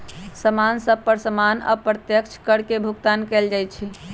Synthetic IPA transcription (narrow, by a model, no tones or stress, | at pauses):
səmansəb̚pəɾsəmanə̰pɾət̪jəkt͡ʃʰkəɽkebʱuɡt̪ankɛld͡ʒajt̪t͡ʃʰɛ